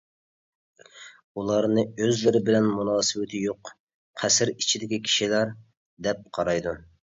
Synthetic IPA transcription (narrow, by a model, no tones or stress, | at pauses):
ulˠɑɾnɨøzlɪɾɪbɪlɛnmunɑːsɨwɪt̪ʰɪjoq | qʰæsɪɾit͡ʃʰid̪ɪkʲikʲʰi̥ʃilæɾ | d̪ɛp̚qʰɑɾɑjd̪u